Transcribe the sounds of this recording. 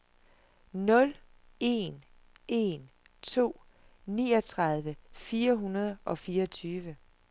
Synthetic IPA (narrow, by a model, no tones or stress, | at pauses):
nɔ̽l | e̝̰n | e̝̰n | t͡sʰo̝̰ː | niːɒt͡sʰʁɑ̈ð̞ˠʋəfiːɐɦunɐð̞ˠʔɒ̽fiːɐɒt͡sʰyːʋə